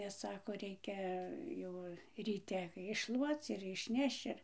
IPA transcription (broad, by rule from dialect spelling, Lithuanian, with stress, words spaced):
nʲɛs ˈsɑːkoː ˈrʲɛɪkʲɛ ˈjɛʊ rʲiːˈtʲɛ ɪʃˈʃlˠuɔt͡s ɪr ɪʃʲˈnʲɛʃt͡ʃ ɪr